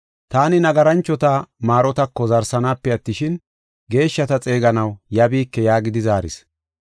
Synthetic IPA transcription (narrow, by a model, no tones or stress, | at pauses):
t̪aːnɪnɐɡɐɾɐnt͡ʃːɔt̪amaːɾɔt̪ɐkːɔzɐɾsɐnaːpːɛɐt̪ːɪʃɪn | ɡe̞ːʃːɐt̪ɐt͡sʼe̞ːɡɐnɐwjɐbiːkːɛjaːɡɪd̪ɪzaːɾɪ̰s